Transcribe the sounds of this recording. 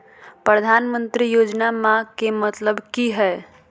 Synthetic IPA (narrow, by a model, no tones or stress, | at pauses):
pɾəd̪ʱanmənt̪ɾijoːd͡ʒnamãkemət̪ləbkiɦɛ